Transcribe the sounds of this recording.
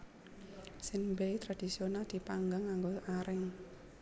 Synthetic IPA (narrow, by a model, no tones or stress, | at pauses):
sɪnbejt̪ɾad̥isionald̪̥i̤paŋɡaŋːaŋɡoʔaɾɪŋ